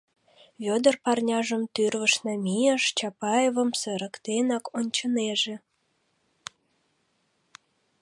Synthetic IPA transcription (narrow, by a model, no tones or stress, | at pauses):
βʲod̪ə̆rpɑrnʲɑʒə̆mt̪yrvə̆ʃnɑmʲijəʃt͡ɕɑpɑjevə̆msə̆ɾə̆kt̪enɑkont͡ɕə̆neʒĕ